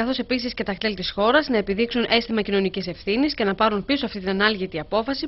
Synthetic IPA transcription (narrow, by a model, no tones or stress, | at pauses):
ɐθo̞se̞pisisce̞t̪ɐkt̪e̞lt̪isxo̞ɾɐznɐe̞piðiksunʔe̞st̪imɐcino̞nicise̞fθinisce̞nɐpɐɾunplisoɐft̪it̪inɐnɐlʝit̪iɐpo̞fɐsi